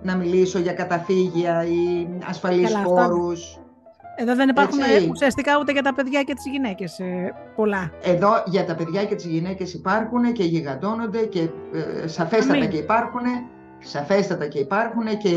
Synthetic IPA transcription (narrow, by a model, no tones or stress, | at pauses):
nɐmiliso̞ʝɐkɐt̪ɐθiʝiɐiɐ̰sfɐlisfoɾus | eðoðenipɐɾxuniusiɐst̪ikɐut̪eʝɐt̪ɐpeðʝɐcet̪i̥zʝinece̞s | po̞lɐe̞ðo̞ʝɐt̪ɐpe̞ðʝɐce̞t̪izʝine̞ce̞sipɐɾxune̞ce̞ʝiɣɐt̪o̞nond̪e̞ce̞sɐfest̪ɐt̪ɐce̞ipɐɾxune̞ | sɐfe̞st̪ɐt̪ɐce̞ipɐɾxune̞ce̞